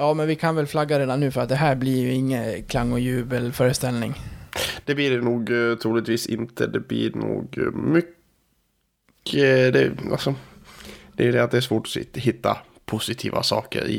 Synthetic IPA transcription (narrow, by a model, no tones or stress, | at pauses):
jɑːmɛnvɪkʰanvɛlflaɡːaɾeːd̪anːʉ̟ːfœɾat̪̚d̪ɛɦæːɾblɪɾjɵɪŋːənkʰlaŋːɔjʉ̟ːbəlfœːɾəst̪ɛlnɪ̰ŋd̪̥ɛblɪɖɛnuːɡt̪ʰɾuːlɪt̪viːsɪnt̪ʰəd̪ɛblɪɳṵːɡmʏk | əd̪ɛ̰a̰sɔ | d̪̥ɛɖ̪ɛat̪̚d̪ɛːʂ̬svoːʈɔ̥sɦɪt̪ːa̰ | pʰʊsɪt̪ʰḭːva̰sɑːkə̰ɾɪ̰